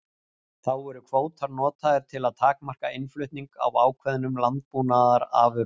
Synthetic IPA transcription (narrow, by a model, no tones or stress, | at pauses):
θawɛɾʏkʰvoːwt̪ʰaɾnɔːt̪ʰaɪɾ̥t̪ʰɪlaðt̪ʰaːkmar̥kaɪnflʏɥht̪niŋka̰waːwkʰvɛðnʏmlant̪̚puːnaðaɾa̰vʏ